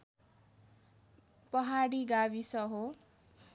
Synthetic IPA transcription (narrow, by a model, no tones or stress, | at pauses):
pʌɦaɽiɡaβisʌɦo